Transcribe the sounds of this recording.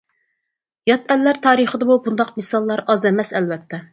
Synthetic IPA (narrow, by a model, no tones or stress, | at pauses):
jɑt̪ʰɛlːæɾt̪ʰɑːɾɨχəd̪ɨmubund̪ɑqmɪsɑlˠːɑɾɑzɛmɛsɛlvɛt̪ʰːɛ